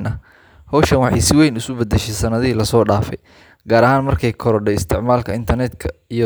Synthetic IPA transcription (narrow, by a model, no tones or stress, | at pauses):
nʔɐ | hɔwʃɐnwɑħɑ̰jsɪwɛjnʊsʊbɐd̪ɛʃɛjsɐnɐðɐiːlɐsɔːɖaːfɛ̰j | ɡ̥aːɾɐɦaːnmɐrkʰɛjkʰɔɾɔɖɛjɪst̪ʰɪʕmaːlkʰɐɪnt̪ʰɐrnɛd̪kʰɐij